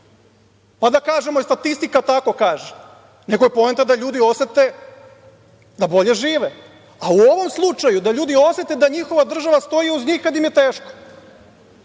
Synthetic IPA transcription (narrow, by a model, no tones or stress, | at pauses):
pad̪akaːʒemoist̪at̪ist̪ikat̪ako̞kaːʒe | ne̞kojepo̞ent̪ad̪aʎuːd̪io̞set̪e | d̪abo̞ʎe̞ʒiːʋe | auoʋo̞mslˠut͡ʃajud̪aʎuːd̪io̞set̪ed̪aɲixo̞ʋad̪r̩ʒaʋast̪o̞jiuzɲiːxkad̪jimjet̪eːʃko̥